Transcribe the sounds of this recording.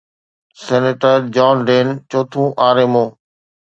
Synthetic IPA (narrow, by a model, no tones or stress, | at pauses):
seːneʈəɾd͡ʒaːnɖeːnt͡ʃoːt̪ʰũːʔaːɾeːmõː